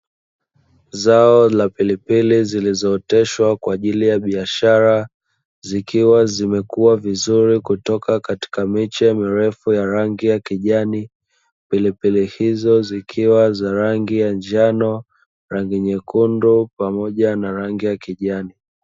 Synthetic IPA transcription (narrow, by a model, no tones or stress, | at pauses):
zaɔlapilipilizilizɔːtɛʃwakwaːʄilijaɓiaʃaɾa | zikiwazimɛkuavizuɾikutɔkakati̥kamit͡ʃɛmiɾɛfujaɾaŋɡijakiʄani | pilipilihizɔzikʰiwazaɾaŋɡijand͡ʒanɔ | ɾaŋɡiɲɛkundupamɔʄanaɾaŋɡijakiʄani